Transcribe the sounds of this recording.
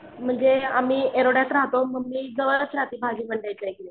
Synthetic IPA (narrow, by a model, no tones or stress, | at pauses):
m̤əɳd͡zeamiːeɾoɽjat̪ɾaɦt̪oməɡmiːd͡zəʋəɾət͡sɾat̪iːbʱaɡiːbəɳɖajt͡sajke